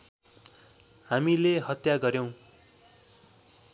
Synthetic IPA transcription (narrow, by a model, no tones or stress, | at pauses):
hamileɦʌt̪jaɡʌɾjow̃